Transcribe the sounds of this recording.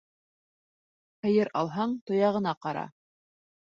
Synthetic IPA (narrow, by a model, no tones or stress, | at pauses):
hɘ̆jɘɾʔɑlˠɦɑɴt̪ŏjɑʁɤ̆nɑqɑɾɑ̰